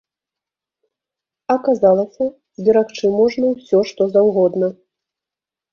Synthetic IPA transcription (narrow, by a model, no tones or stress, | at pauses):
ɐkazalˠɐsʲɐ | zʲdʲɛɾakt͡ʂɨmɔʐnɐwsʲɔʂt̪ɔzawɣɔd̪nɐ